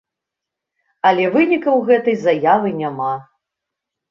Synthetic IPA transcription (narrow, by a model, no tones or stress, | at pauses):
ɐlʲɛvɨnʲikɐwɣɛt̪ɐjzajavɨnʲama